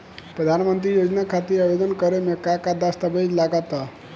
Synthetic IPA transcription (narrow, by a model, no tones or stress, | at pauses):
pɾəd̪ʱanmənt̪ɾijod͡ʒnakʰat̪iːɾabed̪ənkəɾemekakad̪ast̪əbəjd͡ʒlaɡat̪ə